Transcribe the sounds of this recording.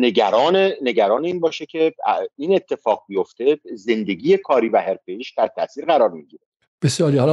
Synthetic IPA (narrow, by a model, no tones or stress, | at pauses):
neɟæɾɒːnene̞ɟæɾɒːneiːnbɒːʃecʰe̞ine̞t̪ʰːe̞fɒːɣ̚bijo̞ft̪e̞ze̞nd̪e̞ɟiːjekʰɒːɾiːvæheɾfejiːʃd̪æɾt̪ʰæ̰ʔsiːɾɣæɾɒːɾmiɟiɾe | b̥esjɒːɾihɒl